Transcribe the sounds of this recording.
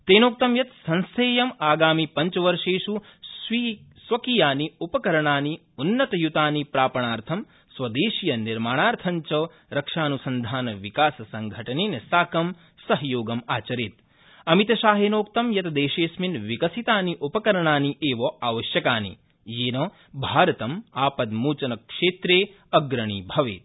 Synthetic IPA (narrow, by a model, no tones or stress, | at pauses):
t̪eːnoːk̚t̪ɐmjɐt̪sɐnseːjɐmaːɡaːmipɐɲt͡ʃɐʋɐɾʂeːʂusʋisʋɐkijaːniupɐkɐɾɐɳaːni | unːɐt̪ɐjut̪aːnipɾaːpɐɳaːɾt̪ʰɐm | sʋɐd̪eːʃjɐniɾmaːɳaːɾt̪ʰɐɲt͡ʃɐ | ɾɐkʂaːnusɐnd̪ʱaːnɐʋikaːsɐsɐŋɡʱɐʈɐnenɐsaːkɐm | sɐɦjoːɡɐmaːt͡ʃɐɾit̪̚ | ɐmit̪ɐʃaːɦeːnoːkt̪ɐmjɐt̪ɐd̪eːʃeːsminʋikɐsit̪aːniʔupɐkɐɾɐɳaːniʔeːʋɐʔaːʋɐʃjɐkaːnḭ | jeːnɐ | bʱaːɾɐt̪ɐmaːpɐd̪muːt͡ʃɐnɐkʂeːt̪ɾeː | ɐɡɾɐɳ̃ibʱɐʋḛːt̪̚